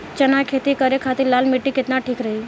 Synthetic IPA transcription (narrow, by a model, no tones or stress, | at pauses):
t͡ʃənakʰet̪ikəɾekʰat̪ilalmiʈːiket̪naʈʰiːkɾəɦi